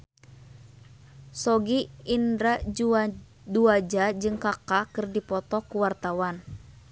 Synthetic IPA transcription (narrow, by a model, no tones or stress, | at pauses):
sɔɡiːndɾa | duad͡ʒad͡ʒɨŋkakakɨrdipɔt̪ɔkuwart̪awan